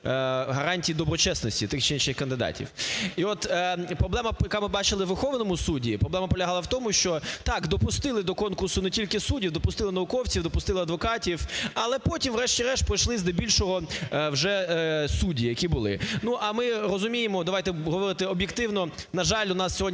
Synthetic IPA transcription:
ɦɐɾɑnʲtʲijid̪ɔbɾɔt͡ʃɛsnɔsʲtʲit̪ɪxt͡ʃɛinʃɪxkɐnd̪ɪd̪ɑ̰tʲḭwiɔt̪pɾɔblˠɛmɐjɐkɑmɪbɑt͡ʃɪlˠɪʋerxɔʋnɔmʊsudʲipɾɔblɛmɐpɔlʲɐɦɑlˠɐwt̪ɔmʊʃt͡ʃɔt̪ɑkd̪ɔpʊst̪ɪlˠɪd̪ɔkɔnkʊrsʊnetʲilʲkɪsudʲiwd̪ɔpʊst̪ɪlˠɪnɐʋʊkɔwt͡sʲiwd̪ɔpʊst̪ɪlˠɪɐd̪ʋɔkɑtʲiwɐlˠɛpɔtʲimʋɾɛʃtʲiɾɛʃpɾɔjʃlˠɪzd̪ɐbʲilʲʃɔɦɔwʒɛsudʲijɐkʲibʊlˠɪ̰nuʔɐmɪrɔzʊmʲijɪmɔd̪ɐʋajt̪ɛɦɔʋɔɾɪt̪ɪɔbjekt̪ɪwnɔnɐʒɑlʲʊnɑsːʲɔɦɔd̪ʲ

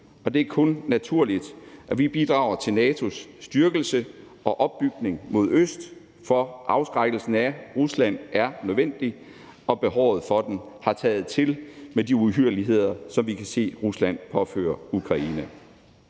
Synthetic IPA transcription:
ɒ̽d̥e̝æɐkʰɔ̽nːæt͡sʰuɐ̰lid̥ʔæʋib̥id̥ʁɑ̈ʊɐt͡sʰe̝lnɛːt͡sʰo̝sːd̥yɐɡ̥l̩sə | ɒ̽ʔɒ̽b̥ːyɡ̥ne̝ŋmo̝ð̞̰ˠøsd̥ | fɒ̽ʔɑ̈ʊsɡ̥ʁɑɡ̥l̩sn̩æʁuslæn̰ʔæɐnøðˠʋen̰d̥i | ʔɒ̽b̥e̝ɦɒʊ̰ð̩ˠfɒ̽d̥en | hɑ̈t͡sʰɛːð̩ˠt͡sʰe̝lmediuɦyɐ̰liɦe̝ð̞̰ˠɐsɒ̽mʋikʰæse̝̰ːʁuslæn̰pʰɒ̽fø̰ːɐukʰʁɑ̈iːnæ

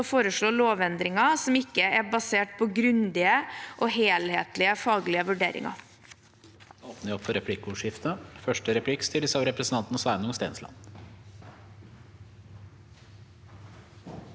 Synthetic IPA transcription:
ɔfoːɾəʂɭoːloːʋɛnd̪ɾɪŋɑsɔmɪkːəæbɑseːʈ̚pʰɔɡɾʉnd̪ɪəʔoːɦeːlheːt̪lɪəfɑːɡlɪəʋʉɖḛːɾʔɪ̰ŋɑ̰ | oːpnəɪɔpfɔɾɛpʰlɪkːuːʂɪft̪əfœʂʈəɾɛpʰlɪkːst̪ɪləsɑʊɾɛpɾəsn̩t̪ɑnt̪nɔsʋæɪnʊŋst̪ḛːnslɑ̰n

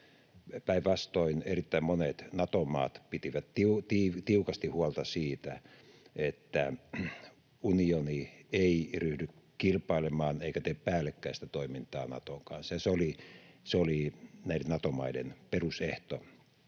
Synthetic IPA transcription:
pæiʋʋɑst̪oinerit̪ːæimmonet̪nɑt̪omˑɑ̰ːt̪pit̪iʋæt̪tiut̪iːʋt̪iukɑst̪ihuolt̪ɑsiːt̪æ | et̪ːæ | unionieiryhdyk | kilpˑɑilemɑːneikæt̪eːppæːlːekːæːst̪æt̪oimint̪ɑːnɑ̰t̪oŋkɑ̰nsjɑseoliseolinæˑidenɑt̪omɑidḛnperuseht̪o

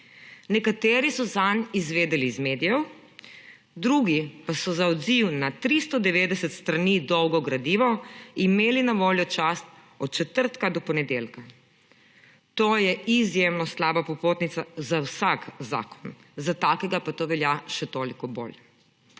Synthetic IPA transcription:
nɛkat̪eːɾisɔzanizʋeːd̪ɛlizmeːd̪ijɛw | d̪ɾuɡipasɔzaɔd̪ziwnat̪ɾist̪ɔd̪ɛʋeːd̪ɛsɛt̪st̪ɾanid̪ɔwɡɔɡɾad̪iːʋɔimeːlinaʋoːljɔt͡ʃast̪̚ | ɔt̪̚t͡ʃɛt̪əɾt̪kad̪ɔpɔnɛd̪eːlka | t̪oːjɛizjemnɔslaːbapɔpoːt̪nit̪sazawsakza̰ːkɔ̥n | zat̪akɛɡapat̪oːʋɛljaʃɛt̪oːlikɔbo̰l

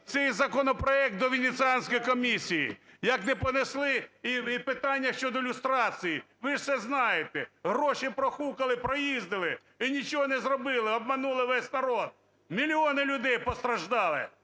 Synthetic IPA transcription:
t̪sɛjzɐkɔnɔpɾɔɛk̚t̪̚d̪ɔʋʲɪnʲɪt̪sɨɑnʲsʲkɔjkɔmʲisʲijḭjɐknɛpɔneslˠɪiipɪt̪ɑnʲːɐʃt͡ʃɔd̪ɔɪlʲʊst̪ɾɑt͡sʲiji | ʋɪʒsɛznɑjet̪ɛɦɾɔʃipɾɔxukɐlˠɪpɾɔjizʲd̪ɪlˠɪ | inʲit͡ʃɔɦɔnɛzrɔbɪlˠɪɔb̚mɐnulˠɪʋɛsʲnɐɾɔd̪̚ | mʲilʲiɔnɪlʲʊd̪ɛjpɔst̪ɾɐʒd̪ɑlˠɪ̰

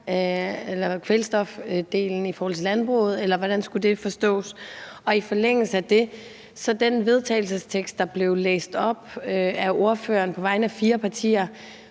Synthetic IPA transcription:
elɐkʰʋelsd̥ɒ̽fd̥e̝̰ːln̩ifɔːhɒl̩t͡sʰe̝lænb̥ʁo̰ːð̞̩ˠelɐʋɒɾ̥ænsɡ̥ud̥e̝fɒ̽sd̥ɔ̰̽ːsɒ̽ifɒ̽leŋ̰l̩səæd̥e̝ | sɒ̽d̥enʋe̝ð̞ˠt͡sʰɛ̰ɪl̩səst͡sʰeɡ̥sd̥ɑ̈b̥le̝ʊlḛːsd̥ɒ̽b̥øæɐʔo̝ɐfø̰ːɐnpʰɒ̽ʋɑ̈ɪ̰nəæfiːɐpʰɑ̈t͡sʰḭːɐ

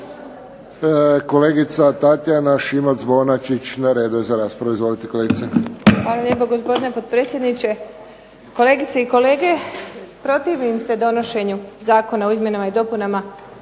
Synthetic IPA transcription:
ko̞leːɡit̪sat̪at̪janaʃimozbo̞nat͡ʃit͡ɕnaɾed̪ujezaɾaːspɾaʋuizʋo̞lit̪eko̞leɡit̪sexʋaːlalʎepoɡospo̞d̪inepod̪̚pɾe̞ːt̪sʲjed̪nit͡ɕe̞ | ko̞le̞ːɡit̪seiko̞le̞ːɡe̞pɾo̞t̪iʋimse̞d̪o̞no̞ʃe̞ɲuzaːko̞naoizmje̞namaid̪o̞punama

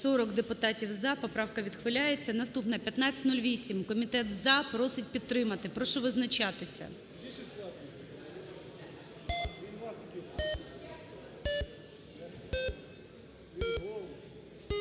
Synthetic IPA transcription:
sɔɾɔkd̪epʊt̪ɑtʲiwzɑpɔpɾɑwkɐʋʲid̪̥xʋɪlʲajet͡sʲːɐnɐst̪upnɐpʲjɐt̪nat͡sʲɪ̥tʲnulʲʋʲisʲimkɔmʲit̪ɛt̪zɑpɾɔsɪt̚ʲpʲit̪ːɾɪmɐt̪ɪpɾɔʃɔʋɪznɐt͡ʃɑt̪ɪsʲɐ̰

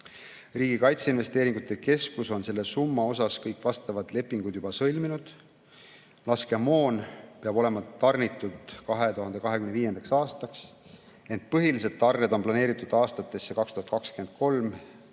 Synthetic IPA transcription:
riːɡikɑjt̪seinve̞st̪e̞ːɾiŋɡ̥ut̪ːˑe̞ke̞skuso̞nse̞lːe̞sumːɑo̞sɑskɤjkːvɑst̪ɑvɑd̪̥le̞pːˑiŋɡud̪̥jubɑsɤlʲminud̪̥ | lɑske̞mo̞ːnpeɑbo̞le̞mɑt̪ɑrnit̪ːˑud̪̥kɑɦe̞t̪uɦɑnd̪ekɑɦekymneviːje̞nd̪ɑksɑːst̪ɑks | e̞nt̪̚ˑpɤɦilis̬ed̪̥̚t̪ɑrned̪o̞mplɑne̞ːɾit̪ːˑud̪̥ɑːst̪ɑt̪ːˑe̞sːe̞kɑkst̪uhɑt̪kɑkskyend̪̥̚ko̞lm

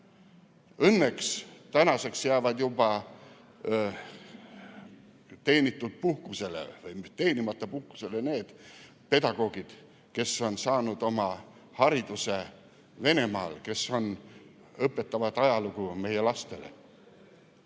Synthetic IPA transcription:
ɤnːe̞kst̪ænɑse̞ksjæːvɑd̪̥jub̥ɑ | t̪e̞ːnit̪ːˑud̪̥̚puhkuse̞lḛvɯjt̪e̞ːnimɑt̪ːˑɑpuhku̥se̞lene̞ːd̪̥ | pe̞d̪̥ɑɡ̥o̞ːɡ̥id̪̥ | ke̞sːo̞nsɑːnud̪̥o̞mɑ | hɑɾid̪̥use | ve̞ne̞mɑ̰ːlke̞so̞n | ɤpːˑe̞t̪ːˑɑvɑd̪̥ɑjɑluɡ̥ume̞jelɑst̪e̞le̞̰

